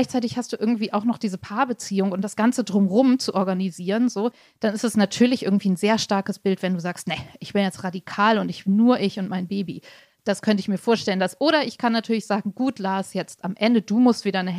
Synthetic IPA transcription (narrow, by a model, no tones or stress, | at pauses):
aɪçt͡saɪtɪçhastd̥uːʔɪɐɡŋ̩tv̥iːʔaʊxnɔχd̥iːzəpʰaːɐbət͡siːʊŋʊntd̥asɡ̥ant͡sədʁʊmʁʊmt͡suʔɔɐɡaniziːʁənzoː | d̥anɪstɛsnatʰyːɐlɪçʔɪ̰ɐɡŋ̩tv̥iːnzeːɐʃtaɐkəsb̥ɪltv̥ɛnduːzaːkstnɛʔɪçb̥ɪnjɛt͡stʁadikʰaːlʊntɪç̥nːuːɐʔɪçʊntmaɪnbeːbi | d̥askʰœntəɪçmiːɐfoːɐʃtɛləndasʔoːɾɐɪçkʰanːatʰyːɐlɪçz̥aːɡŋ̩ɡuːtʰlaːsjɛt͡stamʔɛndəduːmʊstv̥iːdɐnə